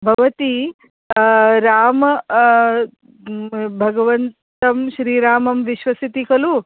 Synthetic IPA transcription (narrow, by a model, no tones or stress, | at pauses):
bʱɐʋɐt̪i | ɾaːmɐ | bʱɐɡɐʋɐntt̪ɐmʃɾiːɾaːmɐmʋiʃʋɐsit̪ikɐlu